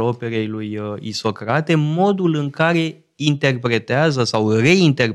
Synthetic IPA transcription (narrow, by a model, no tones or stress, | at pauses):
o̞pe̞ɾe̞jlujḭso̞kɾat̪e̞mo̞d̪ulɨŋkaɾe̞ | int̪e̞rpɾe̞t̪eazəsawre̞int̪e̞r